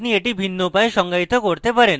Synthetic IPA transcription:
nieʈibʱinːopaeʃɔŋɡait̪okoɾt̪epaɾen

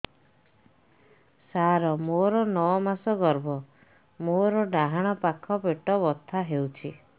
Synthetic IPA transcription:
saɾɔmoɾɔnɔɔmasɔɡɔɾbɔ | moɾɔɖaɦaɽ̃ɔpakʰɔpeʈɔbɔt̪ʰːaɦewt͡ʃʰi

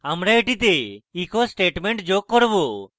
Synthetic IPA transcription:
amɾaeʈit̪eikʰɔsʈeʈmɛɳʈd͡ʒokːɔɾbɔ

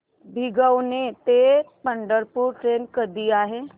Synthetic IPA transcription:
bʱɪɡəwnet̪eːpə̃ɳɖəɾpuɾʈɾeːnkəɾd̪ijaɦɛː

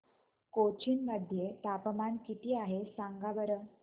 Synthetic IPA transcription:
kot͡ɕiːnməd̪ʱːjet̪apəmaɳkit̪iːaɦesaŋɡabəɾə

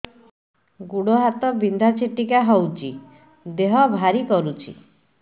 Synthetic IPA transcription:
ɡuɽɔɦat̪ɔbind̪ʱat͡ʃʰeʈikaɦɔwt͡ʃʰi | d̪eɦɔbʱaɾikɔɾut͡ʃʰḭ

